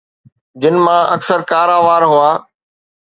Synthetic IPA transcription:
d͡ʑɪnmãːʔɐksəɾkaːɾaːʋaːɾɦʊaː

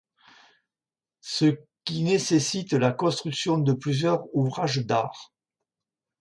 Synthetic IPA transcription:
səkʲinesesit̪lakɔ̃st̪χyksjɔ̃d̪əplyzjœʁuvʁaʒd̪a̰ʁ

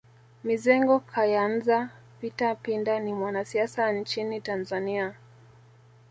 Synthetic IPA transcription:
mizɛŋɡɔkʰajanza | pitapindanimwanasiasant͡ʃinitanzania

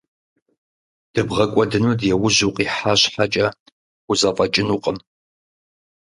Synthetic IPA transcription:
d̥ɨbʁɐkʷʼɔdɨnudjɛwʊʑuqʼiːħaɕħat͡ʃʼɐ | ʊzɐfʼɐt͡ʃʼɪnuqʼəm

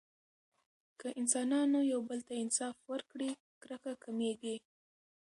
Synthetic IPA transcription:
kəʔɪnsɑnɑnojawbəlt̪aɪnsɑfwəɾkɽi | kɾəkakameɡi

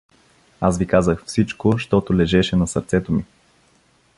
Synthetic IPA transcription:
asvikazəxfsit͡ʃkoʃt̪ɔt̪ʊlɛʒɛʃɛnɐsəɾt̪sɛt̪omi

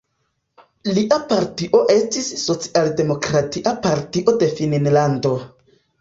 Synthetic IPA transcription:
liʔapaɾtiʔo̞ʔe̞stisːo̞t͡si̥ʔalde̞mo̞kɾatiʔapaɾtiʔo̞de̞finnlando̞

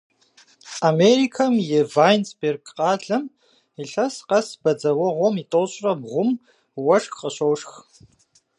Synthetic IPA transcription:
ameɾikʰɐmjevajnsberɡqʼaːɮɐm | iɬɐsqɐsbɐd͡zɐwɐʁʷomitʼoːɕʷʼrɐbʁʷʊm | wɐʂxqʼɐɕowʂx

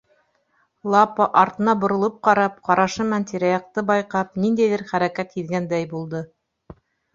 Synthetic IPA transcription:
lˠɑpɑʔɑɾt̪ɤ̆nɑbŏɾŏlˠɤp̚qɑɾɑp̚qɑɾɑʃɤmænt̪iɾæjɑq̚t̪ɤbɑjqɑp̚nind̪æjðɘɾχæɾækæt̪hiðɡænd̪æjbulˠd̪ɤ

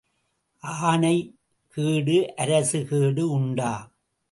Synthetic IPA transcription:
ʔaːnɐɪ | kiːɽɯʔɐɾɐsɯkiːɽɯʊɳɖaː

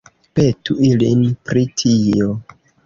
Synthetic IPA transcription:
pe̞tuilinpɾitʰio

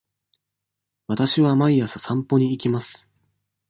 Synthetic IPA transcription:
βat̪aɕiβamaiasɨ̥sãmpo̞ɲ̟iːkʲimasɨ̥

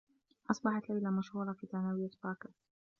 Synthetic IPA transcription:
ʔɑsˤbɑħɑt̪lajlamaʃhuːɾˤɑfiːt̪anawɪjːat̪fɑːkɪ

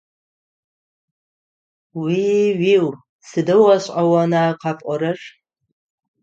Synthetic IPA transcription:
wiɥiw | sɨdɨwaɕʷʼawanaqʰapʼʷaɾɨʂ

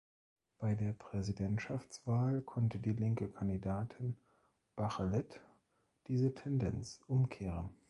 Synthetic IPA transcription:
b̥aɪdeːɐpʁ̥ɛzidɛntʃaft͡sv̥aːlkʰɔntədiːlɪŋkəkʰandidaːtʰɪn | b̥aχəlɛt | d̥iːzətʰɛndɛnt͡sʔʊmkʰeːʁ̞ən

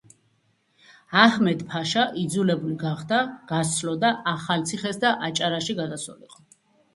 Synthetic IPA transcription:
ahmɛd̪pʰaʃaʔid̪zulɛbuliɡaχd̪aɡ̥at̪sʰlɔd̪aʔaχalt̪sʰiχɛsd̪aʔat͡ʃʼaɾaʃiɡad̪aswɔ̰lḭqʼɔ

